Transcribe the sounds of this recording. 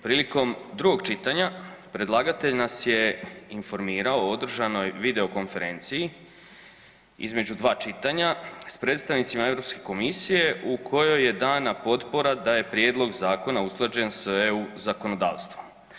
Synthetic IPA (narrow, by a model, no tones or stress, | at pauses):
pɾiːliko̞md̪ɾuɡo̞ɡt͡ʃit̪aɲapɾe̞d̪lˠaːɡat̪e̞ʎnasje̞info̞ɾmiːɾaood̪r̩ʒano̞jʋid̪e̞o̞ko̞nfe̞ɾe̞ːnt̪siji | ḭzme̞d͡ʑud̪ʋaːt͡ʃit̪aɲaspɾet̪st̪aʋnit̪simae̞vɾo̞pske̞ko̞misije̞ʔukʰo̞jo̞je̞d̪aːnapo̞t̪po̞ɾad̪aje̞pɾjeːd̪lˠo̞ɡzaːko̞nausklˠad͡ʒe̞nsʋeuzako̞no̞d̪a̰ːʋst̪ʋu